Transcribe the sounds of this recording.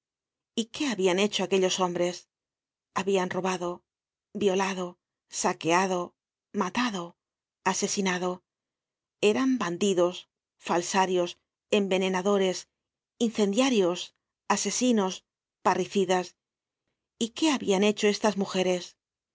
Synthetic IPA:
ike̞aβiane̞t͡ʃoake̞ʎo̞so̞mbɾe̞s | aβianro̞βaðo̞ | bjo̞laðo̞ | sake̞aðo̞ | mat̪aðo̞ | ase̞sinaðo̞ | e̞ɾamband̪iðo̞s | falsaɾjo̞s | e̞mbe̞ne̞naðo̞ɾe̞s | in̟θe̞nd̪jaɾjo̞s | ase̞sino̞s | pariθiðas | ike̞aβiane̞t͡ʃo̞e̞st̪azmuxe̞ɾe̞s

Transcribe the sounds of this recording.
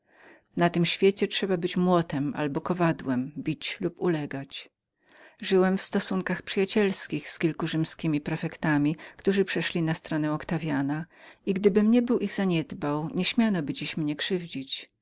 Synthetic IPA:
nat̪ɘmɕfʲjet͡ɕɛtʂɛbabɘt͡ɕmwɔt̪ɛma̰lbɔkɔvad̪wɛmbʲit͡ɕlupulɛɡat͡ɕ | ʐɘwɛmfst̪ɔsuŋkaxpʂɘjat͡ɕɛlskʲixskʲilkuʐɘmskʲimʲipɾɛfɛkt̪amʲikt̪uʐɘpʂɛʂlʲinast̪ɾɔnɛ̃ɔkt̪avʲjanaiɡd̪ɘbɘmɲɛbɘwʔiɣzaɲɛd̪bawɲɛɕmʲjanɔbɘd͡ʑiɕmɲɛkʂɘvd͡ʑit͡ɕ

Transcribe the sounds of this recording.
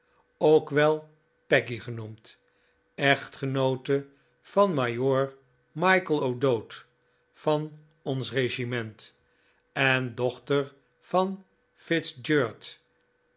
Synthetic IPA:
owkʋɛlˠ | pɛkiχənumt | ɛχtχənowtə | v̥ɑnmajʊːɹ | mɑjkəlˠowdowt | fɑn | ɔnsreʒimɛnt | ɛndɔχtəɹ | v̥ɑn | fɪtsd͡ʒøːɹt

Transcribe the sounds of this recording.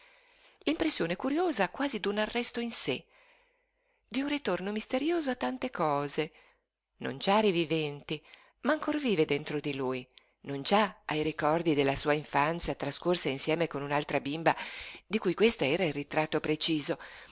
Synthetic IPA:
limpɾesːjoːnekuɾjoːzakwaːzid̪unarːɛst̪oinse | d̪iunrit̪ornomist̪eɾjoːzoat̪ːant̪ekɔːze | no̰nd͡ʒaɾivivɛnt̪i | maːŋkorviːved̪ent̪ɾod̪iluːj | nond͡ʒaajɾikɔrd̪id̪elːasuːaiɱfant̪sjat̪ɾaskorsainsjɛːmekonunalt̪ɾabimbad̪ikujkwest̪aɛːɾairrit̪ɾat̪ːopɾet͡ʃiːzo

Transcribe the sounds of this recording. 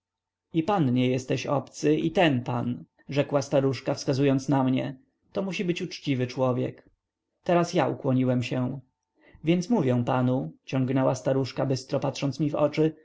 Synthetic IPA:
ipanɲɛjɛst̪ɛɕɔ̰pt̪sɘit̪ɛnpa̰n | ʐɛkwast̪aɾuʂkafskazujɔnt̪snamɲɛ̰ | t̪ɔmuɕibɘt͡ɕut͡ʂt͡ɕivɘt͡ʂwɔvʲjɛ̰k | t̪ɛɾasjaʔṵkwɔɲiwɛmɕɛ | vʲjɛnt̪smuvʲjɛw̃panut͡ɕɔŋɡnɛwast̪aɾuʂkabɘst̪ɾɔpat̪ʂɔnt̪smʲivɔ̰t͡ʂɘ

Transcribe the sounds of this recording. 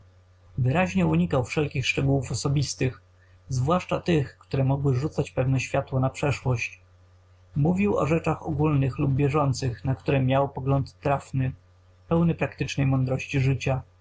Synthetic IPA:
vɘɾaʑɲɛuɲikawfʂɛlkʲixʂt͡ʂɛɡuwufɔsɔbʲist̪ɘx | zvwaʂt͡ʂat̪ɘxkt̪uɾɛmɔɡwɘʐut̪sat͡ɕpɛvnɛɕfʲjat̪wɔnapʂɛʂwɔɕt͡ɕ | muvʲiwɔ̰ʐɛt͡ʂaxɔ̰ɡulnɘxlub̚bʲjɛʐɔnt̪sɘxnakt̪uɾɛmʲjawpɔɡlɔnt̪ːɾafnɘ | pɛwnɘpɾakt̪ɘt͡ʂnɛjmɔnd̪ɾɔɕt͡ɕiʐɘt͡ɕa

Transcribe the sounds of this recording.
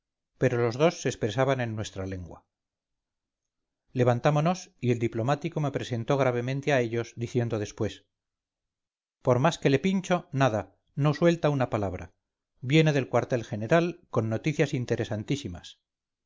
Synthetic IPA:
pe̞ɾo̞lo̞zðo̞sːeːspɾesaβane̞nːwe̞st̪ɾale̞ŋɡwa̰ | le̞βant̪amono̞sie̞ld̪iplo̞mat̪iko̞me̞pɾe̞se̞nt̪o̞ɣ̞ɾaβ̞e̞mẽnt̪eae̞ʎo̞zd̪iθje̞nd̪oðe̞spwe̞s | po̞ɾmaske̞le̞pinʲt͡ʃo̞naða | no̞swe̞lt̪aunapalaβ̞ɾa̰ | bje̞ne̞ðe̞lkwaɾt̪e̞lxe̞ne̞ɾalko̞nːot̪iθjasint̪e̞ɾe̞sant̪isima̰s

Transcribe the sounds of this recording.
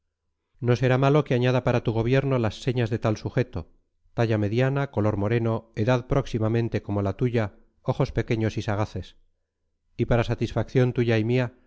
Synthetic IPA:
no̞se̞ɾamalo̞keaɲað̞apaɾat̪uɣ̞o̞β̞je̞ɾnolasːe̞ɲazðe̞t̪alsuχe̞t̪o | t̪aʎame̞ðjanako̞lo̞ɾmo̞ɾe̞no̞e̞ðaðpɾo̞ksimamẽ̞nt̪e̞ko̞mo̞lat̪uʝa | o̞xo̞spe̞ke̞ɲo̞sisaɣaθe̞s | ipaɾasat̪isfakθjo̞nt̪uʝaimia

